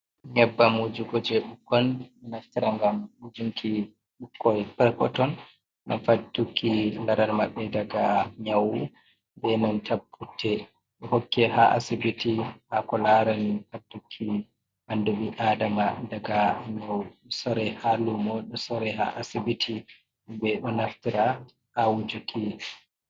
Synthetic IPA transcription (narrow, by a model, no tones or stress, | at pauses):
ɲɛbːamud͡ʒuɡɔd͡ʒɛɓukːɔnɛnatːiɾaŋɡamːud͡ʒuŋkʰi | ɓukːɔjpɛɾkɔtɔn | ʔa̰nfatːukʰːilaɾaɾmaɓːɛdaɡaɲawu | bɛnɔntʰabːutʰːɛ | ɗɔhɔkːɛhaʔa̰sibitiʔakɔlaɾɛnfatːukʰːi | ʔandumiʔadamadaɡaɲawsɔɾɛhalumɔɗɔsɔɾɛha̰ʔasibitʰi | bɛɗɔnaftiɾa | ʔawud͡ʒukʰi